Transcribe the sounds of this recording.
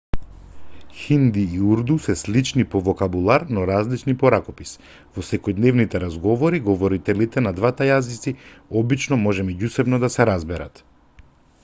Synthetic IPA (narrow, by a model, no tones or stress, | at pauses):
xind̪iːuɾd̪usɛslit͡ʃnipɔvɔkabulˠaɾnɔɾazlit͡ʃnipɔɾakɔpis | vɔsɛkɔjd̪nɛvnit̪ɛɾazɡɔvɔɾiɡɔvɔɾit̪ɛlit̪ɛnad̪vat̪ajazit̪siɔbit͡ʃnɔmɔʒɛmɛɟusɛbnɔd̪asɛɾazbɛɾat̪